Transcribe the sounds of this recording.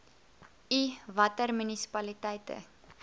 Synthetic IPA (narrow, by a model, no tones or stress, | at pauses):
ivɐtərmynisi̥pɐlitɛjtə̰